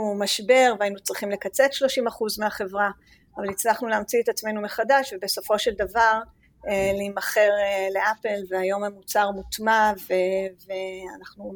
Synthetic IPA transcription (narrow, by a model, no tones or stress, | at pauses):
umaʃbe̞ʁveainut͡sʁiχimle̞kat͡se̞t̪ʃlo̞ʃimaχuzmeaχe̞vʁa | avalit͡slaχnuleamt͡siet̪at͡sme̞jnumeχadaʃvebe̞so̞fo̞ʃeld̪avaʁ | leimaχe̞ʁle̞ʔapelveajo̞mamut͡saʁmut̪maveveanaχnu